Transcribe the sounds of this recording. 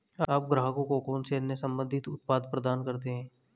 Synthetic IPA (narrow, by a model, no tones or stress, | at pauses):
aːp̚ɡɾaːɦkõkokoːnsenesɐ̃mbə̃nd̪ʱɪt̪ʊt̪̚paːd̪pɾəd̪aːnkɐɾt̪̬eɦɛ̃ː